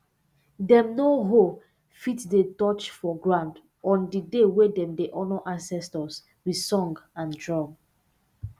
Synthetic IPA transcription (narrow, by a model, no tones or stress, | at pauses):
dɛ̃mnoɦo | fitdetɔt͡ʃfɔɡɹãnd | ɔ̃ndidewedɛ̃mdeʔɔnɔʔãnsɛstɔs | wi̥sɔ̃ŋɡãndɹɔ̃ŋɡ